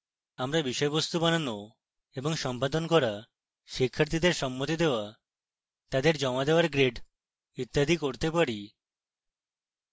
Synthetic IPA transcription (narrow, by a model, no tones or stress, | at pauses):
amɾabiʃɔebost̪ubanano | eboŋʃɔmpad̪onkɔɾa | ʃikʰːaɾt̪ʰid̪eɾʃɔmːot̪id̪eoa | t̪ad̪eɾd͡ʑɔmad̪eoaɾɡɾeɖ | it̪ːad̪ʱikoɾt̪epaɾi